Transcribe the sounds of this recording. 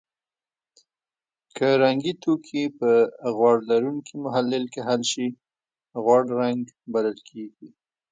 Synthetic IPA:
kʰəɾaŋɡit̪okʰipəɣwɑɽlaɾuŋkʰimʊɦalːɪlkeɦalʃi | ɣwɑɽɾaŋɡ | baləlkʰeɡi

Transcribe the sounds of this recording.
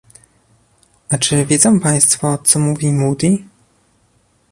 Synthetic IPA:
ʔat͡ʂɘvʲjɛzɔ̃w̃paj̃st̪fɔt̪sɔmuvʲimud̪i

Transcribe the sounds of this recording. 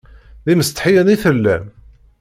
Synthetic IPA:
ðiməst̪ħijæniθəlːæ̰n

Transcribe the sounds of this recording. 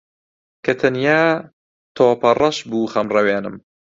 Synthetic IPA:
kʰɐt̪ʰɐnjaː | t̪ʰoːpɐrˤɐʃbuːxɐmrɐweːnɨm

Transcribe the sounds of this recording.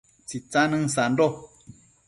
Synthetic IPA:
t͡sit͡sãnɨ̃n̩s̬an̩dɔ

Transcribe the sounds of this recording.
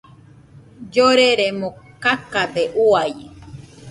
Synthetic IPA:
d͡ʒoɾeɾemokakad̪eʔuaje

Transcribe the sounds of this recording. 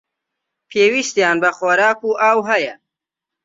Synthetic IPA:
pʰeːwiʃt̪jaːnbɐxoɾaːkuːʔaːwɦɐjɐ

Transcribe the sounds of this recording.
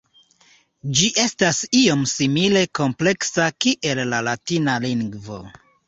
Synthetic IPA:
d͡ʒiʔe̞stasio̞msimile̞ko̞mple̞ksakiʔe̞lːalatinaliŋɡvo̞̰

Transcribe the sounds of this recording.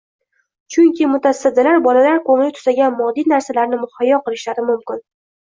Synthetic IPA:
t͡ʃʰʊŋkʲɪmʊt̪ʰasːad̪alaɾbɒlalaɾkʰoŋlɪt̪ʰʊ̥z̥aɡʲanmɒd̪inaɾsalaɾnɪmʊhajːɒqɨlˠɪʃlaɾɪmʊmkʲɪn

